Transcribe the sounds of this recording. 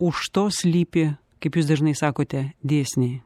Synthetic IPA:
uʃt̪osʲlʲipʲɪ | kɐpjusd̪ɐʒnɨjsɑkot̪ʲɛd̪ʲesʲnʲej

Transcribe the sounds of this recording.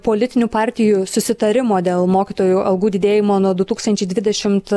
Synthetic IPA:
poːlʲɪt̪ʲɪnʲʊpɑːɾʲt̪ʲɪjusʊsʲɪt̪ɐɾʲɪmoːd̪ʲeːlˠmoːkʲiːt̪oːjuːʔɐlˠɡuːd̪ʲɪd̪ʲeːjɪmoːnuɔd̪ʊt̪uːkst̪ɐnʲt͡ʃʲɛɪd̪ʋʲɪd̪ʲɛʃʲɪmt̪

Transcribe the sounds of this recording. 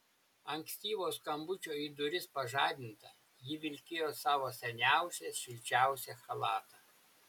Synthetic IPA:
ɐŋʲksʲt̪ʲiːʋoːskɐmbʊt͡ʃʲoːid̪ʊɾʲɪspɐʒɑːd̪ʲɪnt̪ɐ | jɪʋʲɪlʲkʲɪjoːsɑːʋoːsʲɛnʲæˑʊsʲɛʃʲɪlʲt͡ʃʲæˑʊsʲɛxɐlˠɑːt̪ɑ

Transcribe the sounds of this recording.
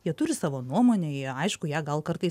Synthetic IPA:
jiɛt̪ʊɾʲɪsɑːʋoːnuɔmoːnʲeɐɪʃkʊjæːɡɐlˠkɐrt̪ɐɪs

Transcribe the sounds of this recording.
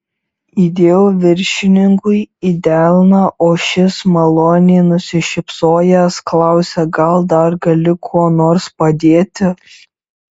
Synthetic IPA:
id̪ʲeːjoːʋʲɪɾʲʃʲɪnʲɪŋkʊɪid̪ʲæːlʲnɐʔoːʃʲɪsmɐlˠoːnʲeːnʊsʲɪʃʲɪpsoːjɛsklˠɑˑʊsʲɛɡɐlˠd̪ɐɾɡɐlʲɪkʰoɔnoːɾspɐd̪ʲeːt̪ʲɪ

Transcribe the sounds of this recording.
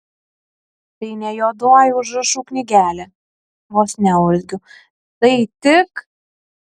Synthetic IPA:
t̪ɐɪnʲɛjod̪oːjʊʒɨʃuːknʲɪɡʲæːlʲɛ | ʋosʲnʲɛʊlʲɡʲʊ | t̪ɐɪt̪ʲɪk

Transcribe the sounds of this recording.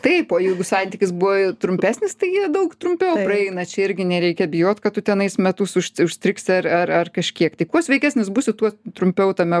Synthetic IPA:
t̪ɐɪpoːjɛɪɡʊsɑnʲt̪ʲikʲɪsbʊʋɐɪt̪ɾʊmʲpʲæːsʲnʲɪst̪ɐɪjiɛd̪ɐʊkt̪ɾʊmʲpʲɛʊprɐɛɪnɐt͡ʃʲɛɪɾʲɡʲɪnʲɛɾʲɛɪkʲɛbʲɪjoːt̪kɐtt̪ːʊt̪ʲɛnɐɪsmʲɛt̪ʊsʊʃʲʊʃʲsʲt̪ʲɾʲɪksʲɪɐrɐrɐrkɐʃʲkʲiɛkt̪ɐɪkuɔsʋʲɛɪkʲæːsʲnʲɪs̬busʲɪt̪uɔt̪ɾʊmʲpʲɛʊt̪ɐmʲɛ

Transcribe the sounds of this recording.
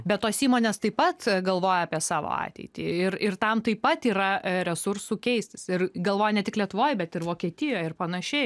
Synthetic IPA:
bʲɛt̪t̪ːoːsiːmoːnʲeːst̪ɐɪpɐt̪ɡɐlˠʋoːjɛːpʲiɛsɑːʋo̰ːɑ̰ːt̪ʲɛ̰ɪt̪ʲḭɪɾɪrt̪ɐmt̪ɐɪpɐt̪iːɾɐɾʲɛsʊɾsuːkʲɛɪsʲt̪ʲɪsɪrɡɐlˠʋoːjɛnʲɛt̪ʲɪklʲiɛt̪ʊʋoːjbʲɛt̪ɪɾʋoːkʲiɛt̪ʲɪjoːjɪɾpɐnɐʃʲɛɪ

